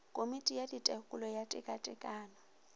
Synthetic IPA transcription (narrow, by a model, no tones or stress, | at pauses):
kʼomitʼijaditʼɛkʼulɔjatʼɛ̰kʼatʼɛkʼaːnɔ